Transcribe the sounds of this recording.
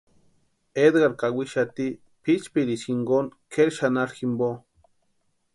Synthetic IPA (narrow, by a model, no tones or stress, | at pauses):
ed̪ɡaɾkawiʃat̪i | pit͡ʃpiɾiʃiŋɡonkʰeɾʃanaɾximbo